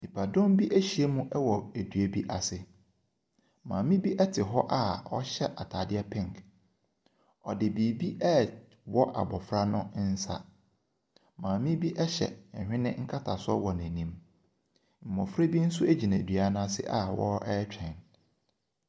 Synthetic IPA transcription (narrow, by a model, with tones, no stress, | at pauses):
ni˨pʰa˨dɔ̃˦mbi˦ʔæ˦ɕi˨e˦mũ˦ʔɛ˦wɔ˨æ˨dɥe˦bi˦ʔa˨sɪ˦ | mã̰ː˨mĩ˦bi˦ʔɛ˦tʰɪ˨ɦɔ˦ʔa˦ɔ̰˦ɕɛ˦ʔa˨tʰaː˨dɪ˦ɛ˦pʰɛ̃˦ŋk | ɔ˨dɪ˨biː˨bi˦ʔɛ˦˨ | wɔ˦ʔa̰˨bɔ˨fɾa˦nʊ̃˦n̩˦sa̰˨ | mãː˨mĩ˦bi˦ʔɛ˦ɕɛ̰̃˨hᶣɪ̃˦nɪ̃˦ŋ̩˦kʰa˦tʰa˨sʊ˦ɔ˦wɔ˨næ̃˨nĩ˦m | m̩˨mɔ̃˨fɾa˦bi˦n̩˦sʊ˦æ˦d͡ʑi˨nã˨dɥa˨˦nã˦a˦sɪ̰˦ʔa˦wɔ̰˦ɛ˦t͡ɕᶣʰɛ̃˨n